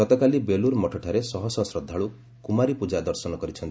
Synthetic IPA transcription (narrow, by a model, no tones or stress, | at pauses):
ɔt̪ɔkalibeluɾmɔʈʰɔʈʰaɾesɔɦɔsɔsɾɔd̪ʱːaɭu | kumaɾipud͡ʒad̪ɔɾsɔnɔkɔɾit͡ʃʰɔnt̪i